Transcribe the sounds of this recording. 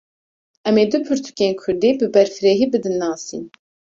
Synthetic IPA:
ʔɛmeːd̪upʰɨɾt̪ʰu̥kʲeːnkʰʊɾd̪iːbɨbɛɾfɨɾeːɦiːbɨd̪ɨnːɑːsḭːn

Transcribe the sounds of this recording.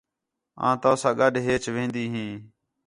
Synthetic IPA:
ã̰ːt̪aːsãːɡəɗɦeːt͡ʃʋẽːnd̪iːɦĩː

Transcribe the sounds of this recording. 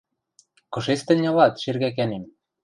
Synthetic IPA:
kɤ̆ʃest̪ɘ̆nʲɤ̆lɑt̪ʃerɣæk̬ænem

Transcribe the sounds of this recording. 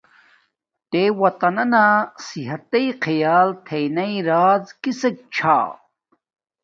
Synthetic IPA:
ʈewɐt̪ɐnɐnasiɦɐt̪ɐjqʰɐjaːlt̪ʰejnɐiɾaːzkisɐk̚t͡ɕʰa̰ː

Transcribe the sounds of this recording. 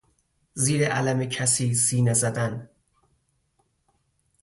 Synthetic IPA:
ziːɾeʔælæmecʰæsiːsiːnezæd̪æn

